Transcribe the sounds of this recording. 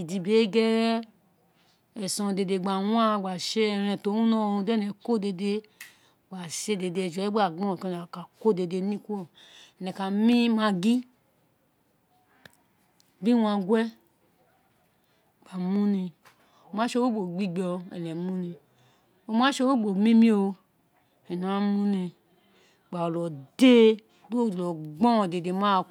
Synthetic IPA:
i˨di˧be˨˦ɡɛ˦ | ɛ˨sɔ̃˧˨de˧de˧˨ɡ͡ba˨wa˦˨ɡ͡ba˨ʃe˦ɛ˧ɾɛ̃˧˨to˨˦ũ˦nɔ̃˦˨ũ˧dɛ˦nɛ˨ko˦de˧de˧˨ | ɡ͡ba˨ʃe˦de˧de˧˨d͡ʒɛ˦ɡ͡ba˦˨ɡ͡bɔ̃˦˨to˦n˨ka˨ko˦˨de˧de˧˦nĩ˦kʷ | nɛ˨ka˨mĩ˦mã˧ɡi˦ | bi˦wã˧ɡwɛ˦ | k͡pa˨mu˦ni˧ | o˨ma˦ʃo˦wo˦ɡ͡bo˨ɡ͡bi˦ɡ͡bɔ˧ɛ̰˨lɛ˨mũ˦nĩ˧ | o˨ma˦ʃo˦wo˦ɡ͡bo˨mĩ˦mĩ˦o˧˨ | ɛ˨no˨a˦mu˦ni˧˨ | ɡ͡ba˨o˨lɔ˨de˦ | ɡ͡bu˦o˦˨lɔ˨ɡ͡bɔ̃˦˨de˨de˨ma˦˨

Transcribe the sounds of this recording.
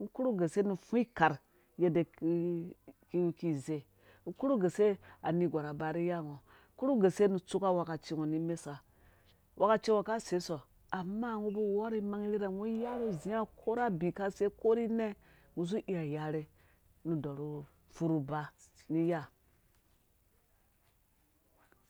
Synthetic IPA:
ŋ̩˦ku˦ɾu˦ɡe˨se˦nu˨fu˦i˦ka˨ɾ | je˦de˨kki˦ki˦˨ze˦ | ŋ̩˦ku˦ɾu˦ɡe˨se˦a˨ni˨ɡʷa˨ɾa˨ba˨ɾi˦ja˦˨ŋo˨˦ | ku˦ɾu˦ɡe˨se˦nu˨t͡su˦ka˦wa˨ka˨t͡ʃi˦ŋo˨ni˦me˦sa˨ | wʔa˨ka˨t͡ʃi˦ŋo˨ka˦se˨˦so˨ | a˨mːa˦˨ŋu˦bu˦wo˦ɾi˦ma˦ŋi˦ɾi˦ɾa˨ŋu˦ja˦ɾu˦zi˨˦a˦kʰo˦ɾa˦bi˨ka˦se˦ko˦ɾi˦ne˦ | ŋu˨s̬u˦ʔi˦a˨ja˦ɾi˦ | nu˨do˨ɾu˦ | fu˦ɾu˨ba˦ni˦ja˦

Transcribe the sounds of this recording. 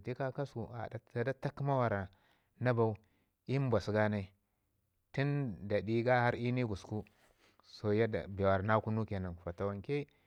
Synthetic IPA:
ti˦ka˦ka˦su˨a̰˨da˨a˨da˦ta˦kma˦wa˨ɾa˨ | na˦ba˦u˦ | i˦m˦ba˨sɡa˦na˦i˦ | ti˦nda˨di˦ɡa˦ha˦ɾi˦ni˦ɡu˨sku˦ | so˨ja˦da̰˨be˨wa˨ɾna˦ku˦nu˦ke˨na˨fa˨ta˨wa˨ŋke˦

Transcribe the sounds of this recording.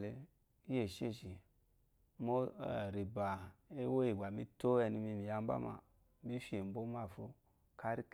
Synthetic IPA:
le˨˦ | e˨ʃe˦ʃi˨ | mo˦˨ɾi˨ba˨e˦wo˦i˨ɡʷa˨mi˦to˦e˨ni˦mi˦mi˨ja˦mba̰˦ma̰˨ | mi˦fe˨m˨bo˦ma˦˨fo˦ | ka˦ɾi˦k

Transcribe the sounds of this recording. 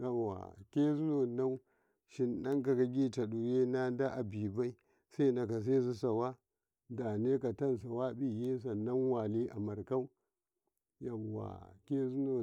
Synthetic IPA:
ja˦˨a̰˨ke˦zu˦no˨na˦w | ʃi˨nɗa˦ŋka˨ka˨ɡʲi˦t͡ʃa˨ɗu˨je˦na˦da˦ʔa˨bi˨ba˦i˦ | sa˦i˦na˨ka˨s̬e˦zu˦sa˨wa˦ | da˨ne˦ka˨ta˦ns̬a˨wa˦bi˦je˦s̬a˨na˦nwa˨li˦ʔa˨ma˨ɾka˦u˦ | ja˦˨wa̰˨ke˦zu˦no˨

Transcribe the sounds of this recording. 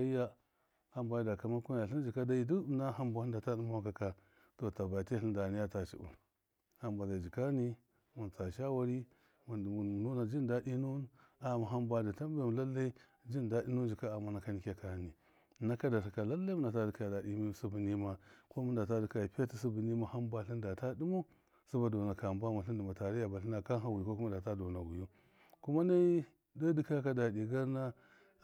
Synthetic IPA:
a˦i˦ja˦ | a˦mba˨˦da˨ka˨ma˦ku˦ja˨ɬi˦n˦d͡ʒi˨ka˦da˦i˦du˦na˦ɦa˦mbʷa˨i˦da˨ta˦du˦ma˦wa˦˨ka˨ka˦ | to˨ta˨ba˨te˦ɬi˦nda˨ni˦ja˦ta˨t͡ʃḭ˨ṵ˨ | ha˦mbʷa˨za˨d͡ʒi˨ka˦ni˦ | mu˨nt͡sa˨ʃa˦wa˨ɾi˦ | mu˨u˨nu˦na˨d͡ʒi˦n˦da˦di˦nu˦na˨ma˨ɦa˦mbʷa˦da˨ta˦m˦ba˦˨m˨la˦lːa˦ | d͡ʒi˦n˨da˦di˦nu˦nd͡ʒi˨ka˦a˨mːa˨˦na˨˦ka˦ni˨˦kʲa˦ka˨ni˨ | na˦ka˦da˨ta˨ka˨la˦lːa˦mu˦nda˨ta˦di˨ka˦ja˨da˨di˦mi˦˨su˦bi˨ni˦ma˦ko˦mu˦nda˨ta˦di˨ka˨pa˦ti˦s̬u˦bi˨ni˦ma˦ha˦mba˦˨ɬi˦nda˨ta˦di˦mo˦ | su˦ba˨do˨na˨ka˨m˦ba˦ma˨ɬi˦ndi˨ma˨ta˨ɾi˦ja˨ba˨ɬi˦na˨ka˦ɦa˦wi˨ko˦ku˦a˦da˨ta˦do˨na˨ɡu˨ju˦ | ku˦ma˦na˦i˦ | da˦di˦ka˦ka˦da˨di˨ɡa˦ɾna˦

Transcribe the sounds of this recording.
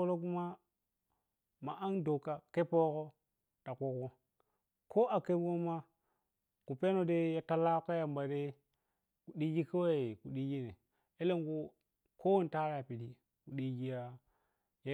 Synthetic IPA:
o˦lo˦ku˦ma˦ | ma˨ʔa˦ndo˨ka˦ke˦po˦ko˦ | ta˨ko˨ko˦ | ko˦ʔa˨ke˦ɡo˦ma˦ | ku˨pe˦no˨de˦ja˦ta˦la˦ka˦ja˨mba˨de˦ | ku˨ɗi˦d͡ʒi˦ke˦wa˦˨e˨ku˨ɗi˦d͡ʒi˦ne˨ | e˦le˦ŋɡo˦ | ko˦wo˦n˨ta˦ɾa˨pi˨di˦ | ku˨ɗi˦ɡi˦ja˦ | ja˦

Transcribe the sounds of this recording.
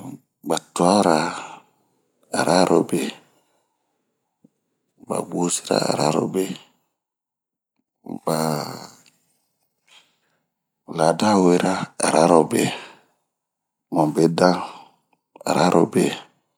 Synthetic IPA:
ɡ͡ba˨twa˦ɾa˨ | a˨ɾa˦ɾʔɔ˨be˦ | ba̰˨ɡ͡bo˦si˦ɾa̰˦a̰˨ɾa̰˦ɾɔ̰˦be˦ | ba˨ | la˨da˦we˨ɾa˦a˨ɾa˦ɾo˨be˦ | mɔ˨be˦da˦ŋ | a̰˨ɾa˦ɾʔɔ˨be˨

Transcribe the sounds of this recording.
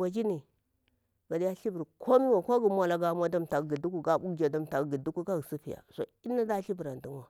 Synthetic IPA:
wa˨d͡ʒi˦ni˨ | ba˨di˦ja˦ɬi˦bi˨ɾkʰo˦mi˦wa˨ko˦ɡi˨mʷa˦la˨ɡa˦m˦a˦da˦m˨ta˨˦ɡi˨du˦ku˦ɡa˦bu˦d͡ʒa˨da˦m˨ta˨ɡɡi˨du˦ku˦ɡa˦ɡi˨si˦pi˨ja̰˨so̰˨i˦nːa˦da˦ɬi˦bi˨ɾa˨ndu˦nwa˨

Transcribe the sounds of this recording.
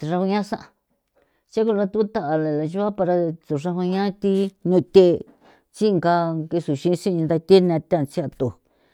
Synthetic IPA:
i˧ʂa˧hu˧ɲã˦sã˦ʔa˧ | t͡ʃa˦ku˧lã˧t̪u˦t̪a˦ʔa˨la˨la˨ʒu˦a˦pa˧ɾa˧t̪u˨ʂa˧ɦu˧ɲã˦t̪i˦ɲũ˧t̪e˦˧ | t͡ʃi˦˧ŋka˧ki˧su˨ʃĩ˧˦˧sĩ˦˧ĩ˧d̪a˧t̪e˦n˧ã˧t̪ã˦˨t͡ʃi˦a˧t̪u˨

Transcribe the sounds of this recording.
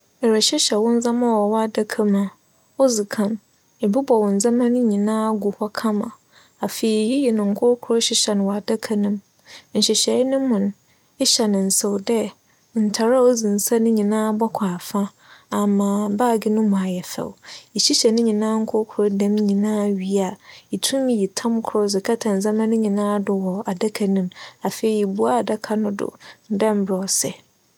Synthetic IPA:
ɛ˨ɾɛ˨ɕɛ˦ɕɛ˨wʊ̃˦n̩˦zã˦mã˦wɔ˨wɔ˦a˨da˦kʰa˦mã˨ | o˦d͡zi˨kʰã˨m | ɛ˨bɪ˦bɔ˨wɔ̃˨n̩˨d͡zã˦mã˦nʊ̃˦ɲĩ˨nãː˦ɡu˨hɔ˦kʰã˦mã˨ | a˨fe˨i˨ji˦jɛ˨nʊ̃˨ŋ̩˨kʰʊ˦ɾkʰu˨ɾo˦ɕɪ˦ɕɛ˨nʊ̃˨wa˨da˦kʰa˦nʊ̃˦m | ɲ̩˨ɕɪ˨ɕɛ˨˦nʊ̃˦mʊ̃˨n˨ | ɛ˦ɕɛ˨nɪ̃˨n̩˨so˨wdɛ˦ | n̩˨tʰa˨ɾa˦o˦d͡zĩ˨n˨sa˦nʊ̃˦ɲĩ˨nãː˦bɔ˦kʷʰa˨fã˦ | a˨mãː˨baː˦˨ɡɪ˦nʊ̃˦mʊ̃˨a˨jɛ˨fɛ̰˨wi˨ɕi˦ɕɛ˨nɪ̃˦ɲĩ˨nãː˦ŋ̩˦kʰʊ˦kʰʊ˨ɾʊ˦dã˦m˦ɲĩ˨nãː˦ɥi˦a˨i˨tʰũ˦m˦ji˨tʰã˦mkʰʊ˦ɾʊ˦zɪ˨kʰa˦tʰã˨n̩˨zã˦mã˦nʊ̃˦ɲĩ˨nãː˦dʊ˨wɔ˨a˨da˦kʰa˨nĩ˦ma˨fe˨i˦i˨bu˦a˦˨da˦kʰa˨nʊ̃˦dʊ̰˨n̩˦dɛ̃˦m˦bɾɔ˨sɛ̰˨

